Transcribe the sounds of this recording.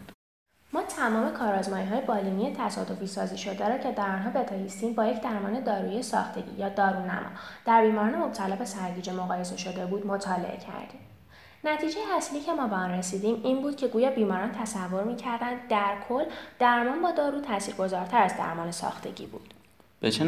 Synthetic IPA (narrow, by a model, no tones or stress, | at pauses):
mɒːt̪ʰæmɒːme̞kʰɒːɾɒːzmɒːjiɦɒːjebɒːlinie̞t̪ʰæsɒ̰ːd̪o̞fisɒːziʃo̞d̪eɾɒːcʰed̪æɾɒːnɦɒːbe̞t̪ʰɒlist̪iːmbɒːje̞cʰd̪æɾmɒ̰ːne̞d̪ɒːɾuiesɒ̰ːxt̪ʰe̞ɟḭːjɒːd̪ɒːɾunæ̰mʔɒ̰d̪̥æɾbiːmɒɾɒːne̞mo̞b̥̚t̪ʰælɒːbe̞sæɾɟiːd͡ʒe̞moɣɒːje̞se̞ʃo̞d̪e̞buːd̪mo̞t̪ʰɒːle̞̰ʔḛcʰæ̰ɾd̪ḭːm | næt̪ʰiːd͡ʒe̞jeæsliːcʰe̞mɒːbeɒnre̞siːd̪iːmiːnbuːd̪̚cʰe̞ɡuːjɒːbiːmɒːɾɒːnt̪ʰæsævːo̞ɾmiːcʰæɾd̪ænd̪d̪æɾkʰolːd̪̥æɾmɒːnbɒːd̪ɒːɾuːt̪ʰæsiːɾɡo̞zɒːɾt̪ʰæɾæzd̪æ̰ɾmɒːnesɒ̰ːxt̪ʰe̞̰ɟḭːbṵːd̪̥ | b̥et͡ʃʰe